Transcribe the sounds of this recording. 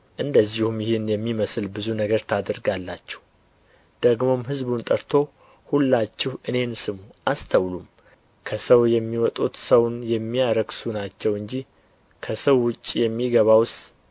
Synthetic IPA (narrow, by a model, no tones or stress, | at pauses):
ʔɨnd̪əzːihumjɪhɪnjɛmːiməsɨlbɨzunəɡəɾt̪ʰad̪əɾɡalːat͡ʃːɛ̥hu | d̪̥əɡmo̞mhɨzbunt̪ʼəɾt̪ʰo̞ | hulːat͡ʃːɪhʔɨne̞nsɨmuʔast̪ʰəwlum | kʰəsəwjɛmːiwɔt̪ʼut̪səwnjɛmːiaɾəɡsunat͡ʃːɛwɨɲd͡ʒi | kʰəsəwːʊt͡ʃʼːijɛmːiɡəβaws